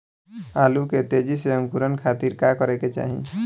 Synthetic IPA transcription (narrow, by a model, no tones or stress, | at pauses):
aluket̪ed͡ʒiseəŋkuɾənkʰat̪iɾkakɔɾeket͡ʃa̰ɦḭ̃